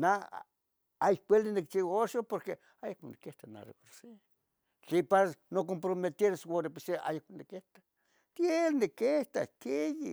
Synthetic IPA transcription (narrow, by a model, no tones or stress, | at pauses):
na | ajkʷelinik̚t͡ʃiwaoʃopoɾke | ajakmonikeht̪ana̰rḛkoɾse | t͡ɬipanokompɾomet̪eɾswoɾepesea̰jakmonikeht̪ḁ | t̪jelnekeht̪a̰kejḭ